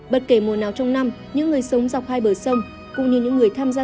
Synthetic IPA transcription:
ɓə˨˩t̚ke˧˩mo˨˩naː˨˩wt͡ɕɔ˧wŋ͡mna˧m | ɲɨ̰˧˥ŋːɨ˨˩əjsə˨˦wŋ͡mza˨˩wk͡p̚haː˧jɓəː˧˩sə˧wŋ͡m | kʊ̰˧˨ŋ͡mɲɨ˧˩ɲɨ̰˧˥ŋːɨ˨˩əjt̪ʰaː˧mzaː˧

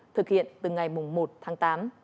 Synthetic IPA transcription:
t̪ʰɨ˨˩k̚hḭ˧˨ənt̪ɨ˨˩ŋa˨˩jmʊ˨˩ŋ͡mmo˨˩t̚t̪ʰaː˨˦ŋt̪aː˨˦m

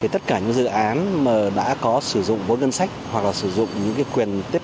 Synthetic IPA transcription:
i˨˩t̪ə˦˥t̚kaː˧˩ɲɨ̰˧˥ŋzɨ̰˧˨ʔaː˨˦nməː˨˩ɗa̰ː˧˥kɔ˨˦sɨ˧˩zʊ̰˧˨ŋ͡mvə˨˦jŋə˧nsa˦˥jk̟̚hwa˨˩k̚laː˨˩sɨ˧˩zʊ̰˧˨ŋ͡mɲɨ̰˧˥ŋkaː˨˦jkwi˨˩ənt̪i˦˥əp

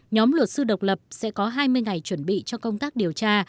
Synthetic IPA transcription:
ɲɔ˨˦mlwə˨˩t̚sɨ˧ɗə˨˩wk͡p̚lə˨˩p̚sɛ̰˧˥kɔ˨˦ɦaː˧jmɨ˧əjŋa˨˩jt͡ɕwə˧˩nɓḭ˧˨t͡ɕɔ˧ŋ͡mkə˧wŋ͡mt̪aː˦˥k̚ɗi˨˩əwt͡ɕaː˧

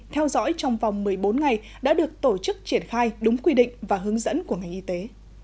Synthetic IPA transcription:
t̪ʰɛ˧wzɔ̰˧˥jt͡ɕɔ˧wŋ͡mva˨˩wŋ͡mmɨ˨˩əjɓo˨˦nŋa˨˩j | ɗa̰ː˧˥ɗɨ˨˩ək̚t̪o˧˩t͡ɕɨ˦˥k̚t͡ɕi˧˩ənxaː˧jɗʊ˨˦ŋ͡mkwi˧ɗḭ˧˨ŋ̟vaː˨˩ɦɨ˨˦əŋzə̰˧˥nku˧˩əŋa˨˩jŋ̟ʔi˧t̪e˨˦

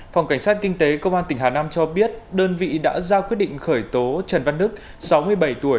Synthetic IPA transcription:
fwŋ͡mka˧˩ŋsaː˦˥t̚kï˧ŋ̟t̪e˨˦kə˧wŋ͡mʔaː˧nt̪ï˧˩ɦaː˨˩naː˧mt͡ɕɔ˧ɓi˦˥ət̚ɗəː˧nvḭ˧˨ɗa̰ː˧˥zaː˧kwi˦˥ət̚ɗḭ̈˧˨ŋ̟xəː˧˩jt̪o˨˦t͡ɕə˨˩nva˧nːɨ˦˥k̚ | sa˨˦wmɨ˧əjɓə˧˩jt̪u˧˩əj

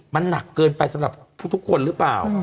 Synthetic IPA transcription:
ma˧nːa˨˩kːɤː˧npa˧jsa˨˦mɾa˨˩p̚pʰuː˥˩t̪ʰu˦˥kʰo˧nɾɯ˦˥plaː˨˩w

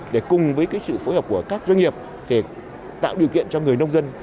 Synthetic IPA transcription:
ɗe˧˩kʊ˨˩ŋ͡mvəː˨˦jkaː˨˦jsɨ̰˧˨fo˨˦jhəː˨˩p̚ku˧˩əkaː˦˥k̚zwa˧ŋ̟ŋi˨˩əp̚ | t̪ʰe˧˩ | t̪a̰ː˧˨wɗi˨˩əwkḭ˧˨ənt͡ɕɔ˧ŋɨ˨˩əjnə˧wŋ͡mzə˧n

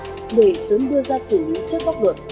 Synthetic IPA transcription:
ɗe˧˩sə˨˦mɗɨ˧əzaː˧sɨ˧˩lḭ˨˧˥t͡ɕɨ˦˥ək̚ɓa˦˥k͡p̚lə˨˩t̚

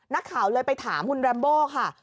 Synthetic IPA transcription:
na˦˥kʰːaː˩˦wlɤː˧jpa˧jt̪ʰaː˩˦mkʰu˧nɾɛː˧mboː˥˩kʰa˥˩

